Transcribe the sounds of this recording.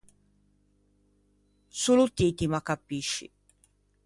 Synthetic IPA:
sulut̪it̪imakːapiʃːḭ

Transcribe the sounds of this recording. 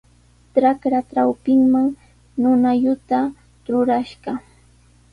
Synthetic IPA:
ʈ͡ʂakɾaʈ͡ʂawpɪŋmaŋ | nʊnaʎʊt̪a | ɾʊɾaʃɢɑ

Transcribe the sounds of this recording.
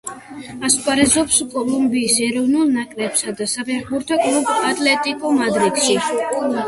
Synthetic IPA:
askʼaɾɛzɔpskʼɔlˠumbiːsɛɾɔvnulˠnakʼlɛpsad̪asapʰɛχbuɾt̪ʰɔkʼlˠubat̪ʼlɛt̪ʼikʼumad̪ɾid̪̥ʃi

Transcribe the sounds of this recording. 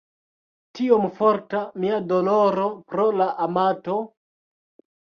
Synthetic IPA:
tiomfoɾtamiadoloɾopɾolaʔamato

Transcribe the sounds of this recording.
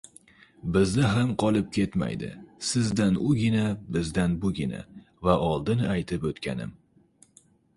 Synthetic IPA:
bɪznɪɦamqʰɒlˠɪp̚kʲe̞t̪ma̰jd̪ɪ̰sɪzd̪anʊɡʲɪnabɪzd̪anbʊɡʲɪna̰ | vaʔɒlˠd̪ɪnajt̪ʰɪpot̪kʲʰa̰nɪ̰m

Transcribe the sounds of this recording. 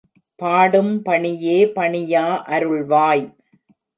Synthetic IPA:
paːɽɯmpɐɳɪjeːpɐɳɪjaːʔɐɾɯɭʋaːj

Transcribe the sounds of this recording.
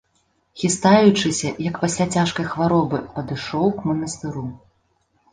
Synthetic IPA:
xʲist̪ajut͡ʂɨsʲɐjɐkpasʲlʲat͡sʲaʂkɐjxvaɾɔbɨpɐd̪ɨʂɔwkmɐnɐst̪ɨɾu

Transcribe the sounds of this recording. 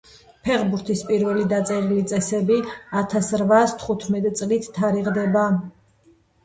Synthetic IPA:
pʰɛʁbuɾt̪ʰispʼiɾvɛlid̪at̪sʼɛɾilit̪sʼɛsɛbiat̪ʰasɾvast̪ʰχut̪ʰmɛt̪ʼt̪sʼlit̪ʰt̪ʰːaɾiʁd̪ɛba

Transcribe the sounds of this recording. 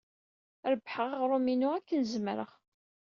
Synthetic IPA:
ɾəbħəʁaʁɾˤuminuækːənzmɾə̰ʁ

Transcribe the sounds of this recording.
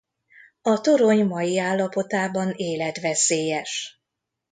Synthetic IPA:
ɒt̪o̞ɾo̞ɲmɒjiaːlːɒpo̞t̪aːbɒneːlɛt̪ʋɛseːjɛʃ

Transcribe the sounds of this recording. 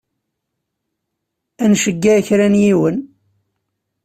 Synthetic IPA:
ænʃəɡːæːçɾænjiwən

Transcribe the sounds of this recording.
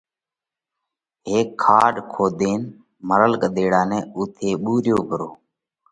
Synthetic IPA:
ɦeːkʰːaːɖkʰoːd̪eːn | məɾəlkɗ̪eːɽaːnɛːuːt̪ʰeːɓuːɾjoːpəɾoː

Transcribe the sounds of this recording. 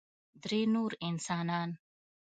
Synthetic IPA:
d̪ɾenuːɾinsanan

